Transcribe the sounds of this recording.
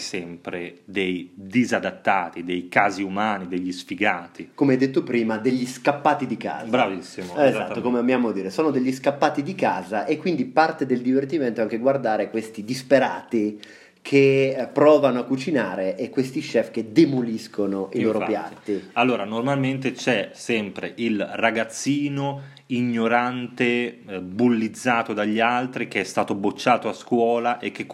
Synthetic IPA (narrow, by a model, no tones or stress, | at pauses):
sɛmpɾed̪ejd̪izad̪at̪ːaːt̪id̪ejkaːziumaːnid̪eʎːisfiɡaːt̪ikomeajd̪et̪ːopɾiːmad̪eʎːiskapːaːt̪id̪ika̰ːzabɾavisːimoezat̪ːokomeambjaːmoad̪iːɾesoːnod̪eʎːiskapːaːt̪id̪ikaːzaʔekːwind̪ipart̪ed̪eld̪ivert̪iment̪oaŋk̟eɡward̪aːɾekwest̪id̪ispeɾa̰ːt̪i | kʰepɾɔːvanoakːut͡ʃinaːɾeʔekːwest̪iʃɛfked̪emoliskonoʔiloːɾopja̰nt̪ialːoːɾanormalment̪et͡ʃɛsɛmpɾḛʔilraɡat̪sːiːno | iɲːoɾant̪ebulːid̪zːaːt̪od̪aʎːialt̪ɾik̟eɛst̪aːt̪obot͡ʃːaːt̪oaskwɔːlaʔek̟ːek